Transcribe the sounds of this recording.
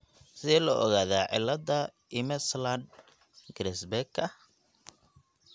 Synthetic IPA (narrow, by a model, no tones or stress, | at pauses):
sɪðɛːlɔʔɔɣaːðaːʕɪ̰lːɐd̪ɐ | ɪmɛslad̪ | ɡɾɛsbɛkʰɐ